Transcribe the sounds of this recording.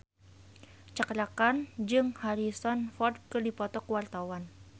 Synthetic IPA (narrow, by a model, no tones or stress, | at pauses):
t͡ʃaklakand͡ʒɨŋhaɾisɔnfɔrd̪̚kɨrdipɔt̪ɔkwart̪awan